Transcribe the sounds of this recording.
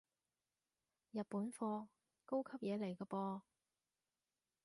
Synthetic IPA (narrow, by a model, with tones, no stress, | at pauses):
jɐ˨t̚puː˨˥nfɔː˧ | ko˥wkʰɐ˥p̚jɛː˨˧le˨˩jkɐ˧pɔː˧